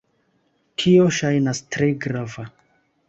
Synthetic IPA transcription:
kʰio̞ʃajnastɾe̞ɡɾava

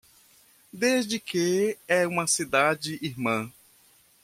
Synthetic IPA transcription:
d̪ezd͡ʒɪkeɛũmɐsid̪ad͡ʒɪʔiɾmɐ̃

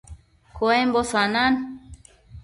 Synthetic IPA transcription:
koɛmbɔsanan

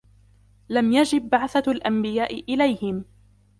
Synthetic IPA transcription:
lamjad͡ʒɪbːaʕθalʔambɪjaːʔɪʔɪlajhɪm

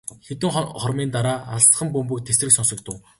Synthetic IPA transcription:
xet̪ɘ̆ŋχɔrmiːnt̪aɾaːaɮs̆χə̆mpɵmpɵ̆k̚t̪ʰesrɘ̆ksɔnsɞ̆k̚t̪ʰʊː

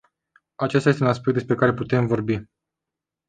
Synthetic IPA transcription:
at͡ʃest̪aest̪eunaspekt̪d̪espɾe̞kaɾe̞put̪e̞mvo̞rbi

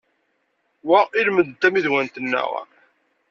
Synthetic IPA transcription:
wæilməd̪t̪ːæmiðwænt̪ənːæ̰ʁ̰

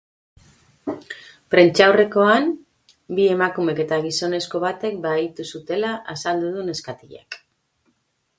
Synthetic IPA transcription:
pɾe̞nt͡ʃawre̞ko̞am | bie̞makume̞ke̞t̪aɣ̞iso̞ne̞sko̞βat̪e̞k̚bait̪usut̪e̞laʔasald̪uð̞une̞skat̪iʎa̰k

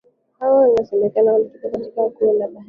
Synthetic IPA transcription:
hawawnasɛmɛkanawaitikɔkatikakuɔnaɓa

